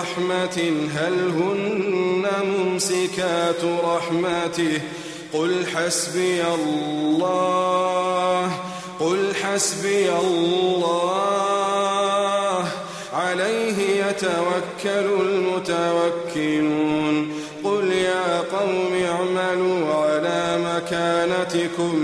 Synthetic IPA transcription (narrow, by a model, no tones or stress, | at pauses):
ħmatɦalɦʊnːamʊmsɪkaːt̪ɾˤɑħmat̪ɪh | qʊlħasbɪjalːɑː | h | qʊlħasbɪjallːɑː | h | ʕalajɦɪjat̪awakːalʊlmʊt̪awakːɪluːn | qʊljaːqɑwmaʕmaluːʕalaːmakaːnat̪ɪkʊm